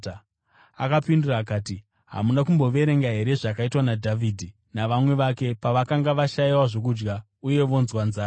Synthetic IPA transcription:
akapinduraːkaːti | ɦa̰munakumbo̞ʋe̞ɾe̞ŋɡaɦe̞ɾe̞ʐakaitwanadʱavidʱi | naʋamwe̞ʋake̞paʋakaŋɡaʋaʃaiwaʐo̞k̬ud͡ʒɡa | uje̞ʋo̞nzwanzaː

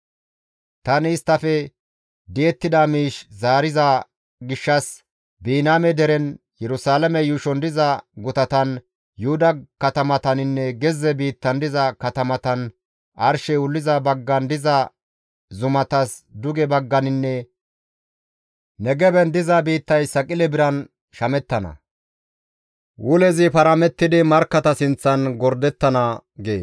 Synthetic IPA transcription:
t̪ɐnɪːst̪ːɐfɛ | d̪ɪɛt̪ːɪd̪ɐmiːʃzaːɾɪzɐ | ɡɪʃːɐs | biːnaːmɛd̪ɛɾɛn | jɛɾʊsaːlɐmɛjuʃɔnd̪ɪzɐɡʊt̪ɐt̪ɐn | jʊhʊd̪ɐkɐt̪ɐmɐt̪ɐnɪnːɛɡɛzːɛbiːt̪ːɐnd̪ɪzɐkɐt̪ɐmɐt̪ɐn | ʔɐɾʃɛwʊlːɪzɐbɐɡːɐnd̪ɪzɐ | zʊmɐt̪ɐsd̪ʊɡɛbɐɡːɐnɪnːɛ | nɛɡɛbɛnd̪ɪzɐbiːt̪ːɐjsɐkʼɪlɛbɪɾɐn | ʃɐmɛt̪ːɐnɐ̰ | wʔʊlɛzɪpɐɾɐmɛt̪ːɪd̪ɪmɐɾkːɐt̪ɐsɪnt͡sːɐnɡɔɾd̪ɛt̪ːɐnɐɡeː

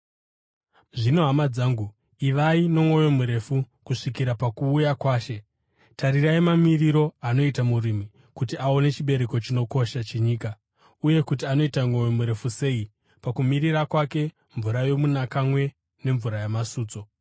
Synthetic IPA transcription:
ʐino̞ɦamad͡zaːŋɡu | iʋaino̞ŋo̞jo̞muɾe̞fu | kuʂikiɾapakuːjakwaːʃe̞ | taɾiraimamiriɾo̞ano̞itamurimi | kutiao̞ne̞t͡ʃiɓe̞ɾe̞ko̞t͡ʃino̞ko̞ʃat͡ʃeɲiːka | uje̞kutiano̞itaŋo̞jo̞muɾe̞fuse̞i | pakumiɾirakwake̞ | ɱvuɾajo̞munakamwe̞ | ne̞ɱvuɾajamasuːt͡so̞

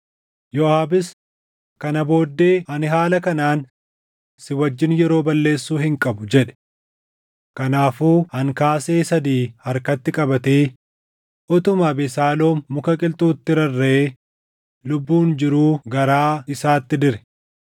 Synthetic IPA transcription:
jɔaːbɪs | kɐnɐbo̞ːd̪ːe̞ːhɐnɪɦaːlɐkɐnaːn | sɪwɐd͡ʒːɪnjɛɾo̞ːbɐlːe̞ːsːuːhɪŋkʼɐbʊd͡ʒɛᶑɛ̥ | kɐnaːfuːhɐŋkaːse̞ːsɐd̪iːhɐɾkɐt̪ːɪkʼɐbɐt̪eː | ʔɔt̪ʊmaːbɪsaːlo̞ːmːʊkɐkʼɪlt̪uːt̪ːɪɾɐrːeeː | lʊbːuːnd͡ʒɪɾuːɡɐɾaːɪsaːt̪ːɪd̪ɪɾɛ̥

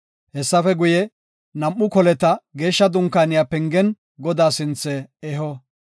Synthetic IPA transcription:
hɛsːɐfɛɡʊjɛ | nɐmʔːʊkɔlɛt̪ɐɡe̞ːʃːɐd̪ʊŋkːaːnɪjapɛŋɡɛn | ɡɔd̪aːsɪnt͡sːɛɛɦɔ

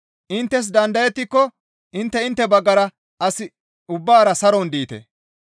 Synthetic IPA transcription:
ʔɪnt̪ːɛs̬d̪ɐnd̪ɐjɛt̪ːɪkːɔ | ɪnt̪ːɛɪnt̪ːɛbɐɡːɐɾɐ | ɐsɪ | ʊbːaːɾɐsɐɾɔnd̪iːt̪ḛ

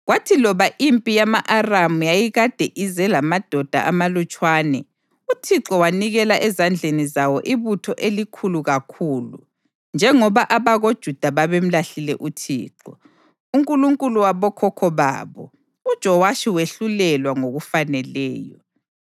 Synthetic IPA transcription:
ɣwatʰilɔβaʔimpʼijamaʔaramujajiɣad̥ʱeʔizɛlamad̥ʱɔd̥ʱa̰ʔamalut͡ʃʼwaːnɛ | utʰiǁɔwaniɣɛlaʔɛzand͡ɮʱenizawɔʔiβutʰɔʔelikʰuluɣakʰuːlṵ | nd͡ʒʱɛŋɔβaʔaβaɣod̥ʒ̥ʱud̥ʱaβaβem̩laɬilɛ̰ʔutʰḭːǁɔ | uŋkʼuluŋkʼuluwaβɔkʰɔkʰɔβa̰ːβɔ̰ | ud̥ʒ̥ʱɔwaʃiweɬulɛlwaŋoɣufanɛlɛ̰ːjɔ

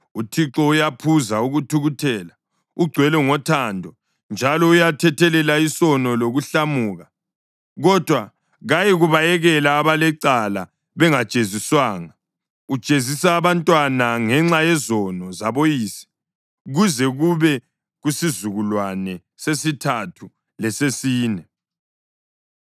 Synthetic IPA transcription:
utʰiǁɔujapʰuzauɣutʰuɣutʰɛːla | uɡ͡ǀʱwɛlɛŋɔtʰandʱɔ | nd͡ʒʱalɔujatʰɛtʰɛlɛlaisɔnɔloɣuɬamuːɣa | ɣɔd̥ʱwa | ɣajiɣuβajɛɣɛlaːβalɛǀala | βɛŋat͡ʃʼeziswaːŋa | ut͡ʃʼezisaːβantʼwanaŋɛŋ͡ǁajɛzɔnɔzaβojiːsi̥ | uɣuzɛɣuβɛ | ɣusizuɣulwanɛ | sesitʰatʰu | lɛsesiːnɛ

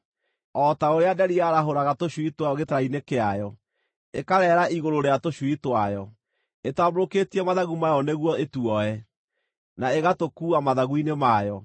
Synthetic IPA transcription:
ɔtaoɾeadɛɾiaɾaɦoɾaɣatoɕwitwaɔɣetaɾainekeajɔ | ekaɾɛɾaʔiɣoɾoɾeatoɕwitwajɔ | etwaboɾoketiɛmaðaɣumajɔneɣwɔetuɔɛ | naeɣatokuamaðaɣuinemajɔ

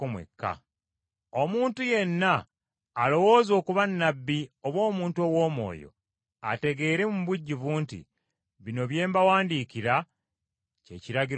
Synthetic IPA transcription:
umwḛkʰːa̰ | omuːntuje̞nːaː | lo̞woːzo̞ːkuβanːabːioβwo̞ːmuːntuo̞wo̞ːmo̞̰ːjo̞̰ | a̰te̞ɡe̞ːɾe̞mumβuɟːiβuːntḭ | βino̞βje̞ːmbawaːndikiɾa | ceciɾaɡi

